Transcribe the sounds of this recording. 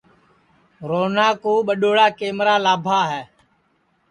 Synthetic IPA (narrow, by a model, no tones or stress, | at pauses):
ɾoːnaːkoːɓəɗoːɽaːkeːmɾaːlaːbʱaːɦɛː